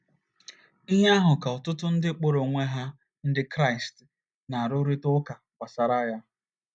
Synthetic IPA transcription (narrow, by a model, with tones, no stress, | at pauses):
i˦ɦa˦ɦʊ˨ka˨ɔ˨tʊ˦tʊ˦n̩˦dɪ˦k͡po˦ɾo˨ŋʷe˦ɦa˦ | n̩˦dɪ˦kɾa˦ɪ˨st | na˨ɾo˦ɾi˦tʊ˦ka˨kʷa˨sa˨ɾa˦ja˦